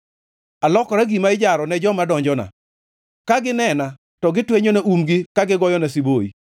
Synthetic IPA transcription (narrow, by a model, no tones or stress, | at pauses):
alɔkɔɾaɡimaɪd͡ʒaɾɔnɛd͡ʒɔmadɔɲd͡ʒɔna̰ | kaɡɪnɛna | tɔɡɪtweɲonɛʔumɡɪkaɡɪɡɔjɔnɛs̬iboḭ